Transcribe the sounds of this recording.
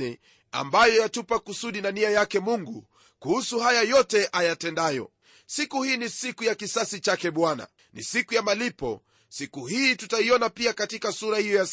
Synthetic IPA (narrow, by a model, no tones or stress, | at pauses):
ɛ | a̰mbajɔjatupakusuɗinaniajakɛmuŋɡu | kuhusuhajajɔtɛʔajatɛndajɔ̰ | sikuhiːnisikujakisasit͡ʃakɛɓwana̰ | nḭsikujamalipɔ̰ | sikuhiːtutaiɔnapiakatikasuɾahijɔja